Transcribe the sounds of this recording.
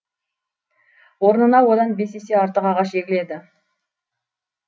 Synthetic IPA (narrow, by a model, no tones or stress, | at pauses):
wo̞ɾnənɑwod̪ɑnbe̞se̞se̞ɑɾt̪əqɑʁɑʃeɡʲɪle̞d̪ɪ